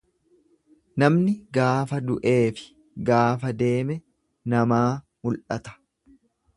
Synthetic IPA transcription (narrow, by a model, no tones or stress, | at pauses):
nɐmnɪɡaːfɐd̪ʊʔe̞ːfɪ̥ | ɡaːfɐd̪e̞ːmɛ | nɐmaː | mʊlʔɐt̪ɐ̥